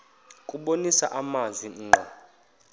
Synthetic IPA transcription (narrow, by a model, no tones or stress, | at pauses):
kʼuɓonisa̰ʔamanzʱiŋ͡ǃʱɔ